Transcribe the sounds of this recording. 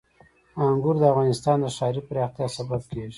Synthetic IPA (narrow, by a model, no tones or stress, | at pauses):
aŋɡʊɾd̪əafɣɑnɪst̪ɑnd̪əʃɑɾipɾɑxt̪jɑsabab̚keʒi